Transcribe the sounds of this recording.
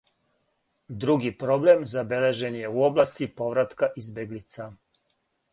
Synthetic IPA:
d̪ɾuɡipɾo̞ble̞mzabele̞ʒe̞nje̞uo̞blast̪ipo̞ʋɾat̪kaʔizbjeɡlit̪sa

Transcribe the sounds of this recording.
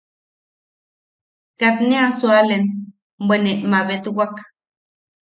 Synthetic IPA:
kat̪neasualen | bʷeneʔmaβet̪wak

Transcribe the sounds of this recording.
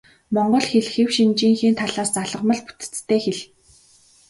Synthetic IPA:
mɔɴɢɞ̆ɮxeɮxewʃint͡ɕiːŋxiːnt̪ʰaɮaːst͡saɮə̆ʁmə̆ɮpu̥t̪ɘ̥̆t͡st̪ʰːeːxeɮ

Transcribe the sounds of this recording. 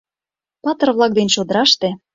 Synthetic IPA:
pɑt̪ɤ̆rβlˠɑk̚d̪enɕod̪ə̆ɾɑʃt̪ĕ

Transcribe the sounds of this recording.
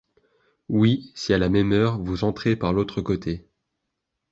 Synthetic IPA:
wisialamɛmœʁvuzɑ̃t̪χepaʁlot̪χəkot̪ʰe

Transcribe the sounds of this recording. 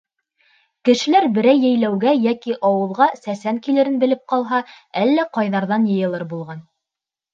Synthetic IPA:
kɘ̆ʃɘ̆læɾbɘ̆ɾæjːæ̆jlæwɡæjækiʔɑwɤ̆lˠʁɑsæsæŋkilɘ̆ɾɘnbɘ̆lɘp̚qɑlˠɦɑ | ælːæqɑjðɑɾðɑnjɤ̆jɤ̆lˠɤɾbulˠʁɑn

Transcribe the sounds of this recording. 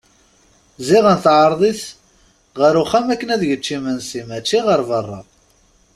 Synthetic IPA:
ziʁənθʕəɾˤðˤiθ | ʁəɾuχæmækːənæðʝət͡ʃːimənsimæt͡ʃːiʁəɾˤvərˤːɑ̰

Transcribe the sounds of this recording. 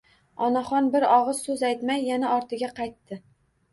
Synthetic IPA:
ɒnaχɒnbɪɾɒʁɨz̥sɵzajt̪majːanaʔɒɾt̪ʰɪɡʲaqʰɑjt̪ːɪ

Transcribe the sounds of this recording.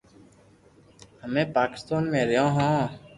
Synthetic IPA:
həmẽːpaːkɪ̥st̪aːnmẽːɾɪjãːɦãː

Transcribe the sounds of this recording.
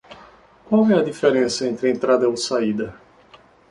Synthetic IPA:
kwawɛɐd̪ifeɾẽsɐẽnt̪ɾɪẽnt̪ɾad̪ɐosaid̪ɐ

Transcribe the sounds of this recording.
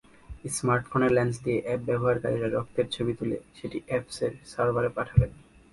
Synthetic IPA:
esmaɾʈfoneɾlɛnsd̪ieʔɛp̚bɛboɦaɾkaɾiɾaɾɔk̚t̪eɾt͡ɕʰobit̪ulḛʃeʈiʔefseɾsaɾbaɾepaʈʰaben

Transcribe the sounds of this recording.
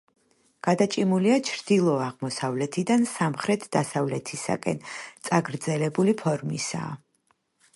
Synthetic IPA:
ɡ̥ad̪at͡ʃʼimuliat͡ʃʰɾd̪̥ilˠɔaʁmɔsavlɛt̪ʰid̪ansamχɾɛt̪ʰd̪asavlɛt̪ʰisa̰kʼɛ̰nt̪sʼaɡɾd̪zɛlɛbulipʰɔɾmisa̰ː

